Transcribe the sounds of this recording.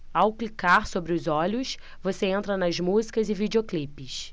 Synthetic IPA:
awklikaɾsobɾɪʊzɔʎʊs | voseẽnt̪ɾɐnɐzmuzikɐzɪvid͡ʒeoklipɪs

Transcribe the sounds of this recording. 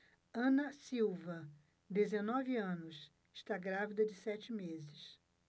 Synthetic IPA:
ɐ̃nɐsiwvɐ | d̪ezenɔvɪɐ̃nʊs | ɪʃt̪aɡɾavid̪ɐd͡ʒɪsɛt͡ʃɪmezɪs

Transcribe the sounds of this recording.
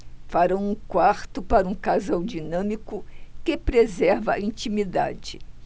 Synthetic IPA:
faɾɐ̃w̃ũkwaɾt̪ʊpaɾɐũkazawd͡ʒinɐ̃mikʊkɪpɾezɛɾvɐĩt͡ʃimid̪a̰d͡ʒɪ

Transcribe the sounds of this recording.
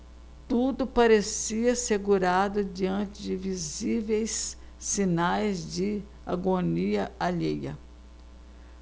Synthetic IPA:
t̪ud̪ʊpaɾesiɐseɡuɾad̪ʊd͡ʒiɐ̃nt͡ʃɪd͡ʒɪvizivejsː | inajzd͡ʒɪ | a̰ɡoniɐaʎejɐ̰

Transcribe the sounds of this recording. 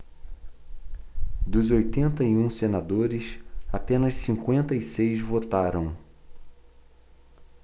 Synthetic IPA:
d̪ʊzojt̪ẽnt̪ɐiũsenad̪oɾɪsapẽnɐssĩkwẽnt̪ɐisejzvot̪aɾɐ̃w̃

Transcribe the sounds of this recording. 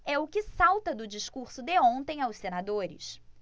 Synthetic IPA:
ɛʊkɪsawt̪ɐd̪ʊd͡ʒiʃkuɾsʊd̪eõnt̪ẽj̃awssenad̪oɾɪ̰ʃ

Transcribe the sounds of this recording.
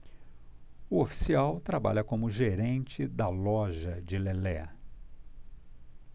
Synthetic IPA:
ʊofi̥siawt̪ɾaba̰ʎɐkõmʊʒeɾẽnt͡ʃɪd̪ɐlɔʒɐd͡ʒɪlelɛ

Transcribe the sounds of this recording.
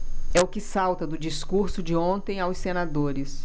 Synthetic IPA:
ɛʊkɪsawt̪ɐd̪ʊd͡ʒiskuɾsʊd͡ʒɪõnt̪ẽj̃awsːenad̪oɾɪs

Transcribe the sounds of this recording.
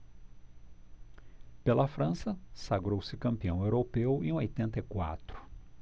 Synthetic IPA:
pelɐfɾɐ̃sɐsaɡɾowsɪkɐ̃mpiɐ̃w̃ewɾopewẽj̃ojt̪ẽnt̪ɐikwa̰t̪ɾʊ̥

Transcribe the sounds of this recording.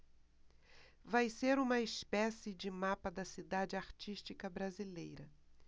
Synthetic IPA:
vajseɾũmɐɪspɛsɪd͡ʒɪmapɐd̪ɐsid̪ad͡ʒɪaɾt͡ʃiʃt͡ʃikɐbɾazilejɾɐ

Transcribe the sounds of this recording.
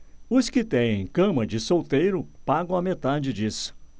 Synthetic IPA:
ʊskɪt̪ẽj̃ẽj̃kɐ̃mɐd͡ʒɪsowt̪ejɾʊpaɡɐ̃w̃ɐmet̪ad͡ʒɪd͡ʒisʊ̥

